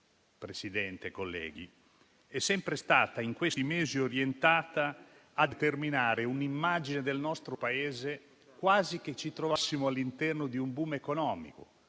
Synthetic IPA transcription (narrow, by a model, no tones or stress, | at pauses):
pɾesid̪ɛnt̪ekolːɛ̰ːɡḭ | ɛsːɛmpɾest̪aːt̪aiŋkwest̪imeːzioɾjent̪aːt̪aː | d̪et̪erminaːɾeunimːad͡ʒined̪elnɔst̪ɾopaeːze | kwaːzik̟et͡ʃːit̪ɾovasːimoalːint̪ɛrnod̪iumbumekonɔːmḭko̰